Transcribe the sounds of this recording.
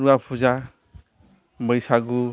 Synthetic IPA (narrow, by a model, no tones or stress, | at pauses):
ɾuapʰuza | mʌjsaɡu